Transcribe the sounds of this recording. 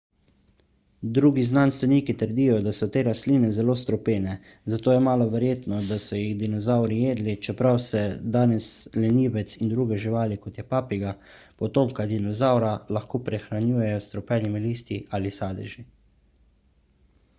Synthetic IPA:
d̪ɾuːɡiznanst̪ʋɛniːkit̪əɾd̪ijɔd̪asɔt̪eːɾasliːnɛzɛloːst̪ɾɔpeːnɛ | zat̪oːjɛmaːlɔʋɛɾjeːt̪nɔd̪asɔjiɣd̪inɔzawɾijeːd̪lit͡ʃɛpɾawsɛd̪aːnɛslɛniːʋɛt̪sind̪ɾuːɡɛʒiʋaːlikɔt̪jɛpaːpiɡa | pɔt̪oːmkad̪inɔzawɾalaxkoːpɾɛxɾanjuːjɛjɔst̪ɾɔpɛːnimiliːst̪iʔalisaːd̪ɛ̰ʒi

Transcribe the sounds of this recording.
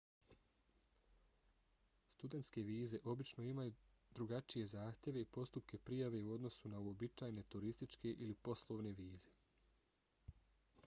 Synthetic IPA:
st̪ud̪e̞nt̪ske̞ʋiːze̞ʔo̞bit͡ʃno̞imaju | d̪ɾuɡat͡ʃije̞zaːxt̪je̞ʋe̞ipo̞st̪upke̞pɾijaʋe̞uo̞d̪no̞sunauo̞bit͡ʃaːjne̞t̪uɾist̪it͡ʃke̞ʔilipo̞slˠo̞ːʋne̞ʋiːz̥e̞

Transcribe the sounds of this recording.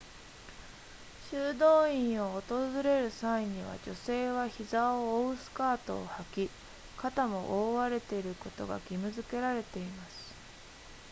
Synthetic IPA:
ɕɨːd̪o̞ːĩɰ̃o̞ːt̪o̞zɨɾe̞ɾɯ̟saiɲ̟iβa̰d͡ʑo̞se̞ːβaçizaoːɯsɨ̥kaːt̪o̞ːhakʲi | kat̪amo̞ʔoːβaɾe̞t̪e̞iɾɯ̟ko̞t̪o̞ɡa̰ɡʲimɯ̟zɨke̞ɾaɾe̞t̪e̞imasɨ̥

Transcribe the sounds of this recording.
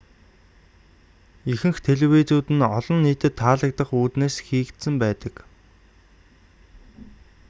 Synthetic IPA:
ixɘ̆ŋxt̪ʰeɮ̆wit͡suːt̪ɘ̆nɔɮɞ̆nːiːt̪ɘ̆t̪ʰːaːɮə̆k̚t̪ə̆χuːt̪neːsxiːkt̪sɘ̆mpæːt̪ə̆k

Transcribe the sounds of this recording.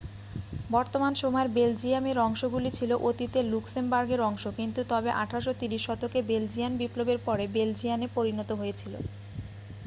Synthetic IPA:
bɔɾt̪omanʃomɔeɾbeld͡ʑiameɾɔŋʃoɡulit͡ɕʰiloʔot̪it̪eluksembaɾɡeɾɔŋʃokint̪ut̪ɔbeʔa̰ʈʰaɾaʃot̪iɾiʃːɔt̪okebeld͡ʑianbiplobeɾpɔɾebeld͡ʑijanepoɾinɔt̪oɦojet͡ɕʰilo̰

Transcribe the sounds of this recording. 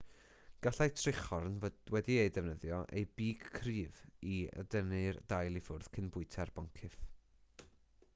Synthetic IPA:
ɡ̥aɬajtʰrɪχɔrnwɛdiejdɛvnəðjɔʔḛjbiːɡkʰriːviə̰dənɨrd̥ajlˠifʊrð̥kʰɪnbʊɨtʰɛrb̥ɔŋkʰɪθ

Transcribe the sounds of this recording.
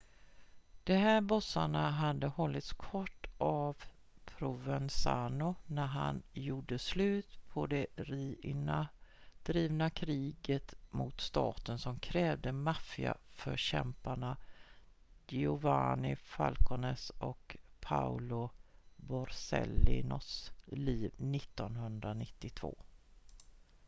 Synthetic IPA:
d̪̥ɛɦæːɾbɔsa̰ɳaɦad̪ːəhɔlːɪt̪skʰɔʈːʔav | pʰɾʊvɛnsaːnʊnæɾɦa̰njuːɖəslʉ̟ːt̪pʰɔd̪ɛɾiːnad̪̥ɾiːvnakʰɾiːɡət̪mʊt̪st̪ɑːt̪ənsɔmkʰɾɛːvd̪əmafɪa̰fœɕɛmpaɳa | jɪʊvaːnɪfa̰lkʰʊnɛsɔkpʰaʊlʊbɔɾsɛ̰lɪnɔsliːvnɪt̪ːɔnɦɵnd̪ɾanɪt̪ːɪt̪ʰvo̰ː

